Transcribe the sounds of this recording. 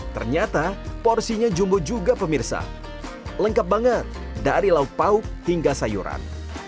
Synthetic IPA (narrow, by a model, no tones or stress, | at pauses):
t̪ərɲat̪apɔrsiɲad͡ʒumbʊd͡ʒuɡapəmirsa̰ | ləŋkap̚baŋət̪̚ | daɾilaut̪̚paʊk̚hiŋɡasajṵɾa̰n